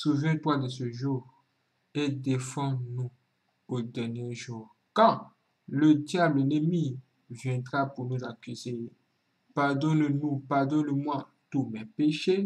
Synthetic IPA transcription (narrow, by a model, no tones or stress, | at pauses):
suvjɛ̃t̪wad̪əsøʒuʁ | ed̪efɑ̃nũ | od̪ɛʁnjeʒuʁ | kã | ləd̪jablenemi | vjɛ̃d̪ʁapunuzakyze | paʁd̪ɔnnũpaʁd̪ɔnmwa | t̪umɛpeʃe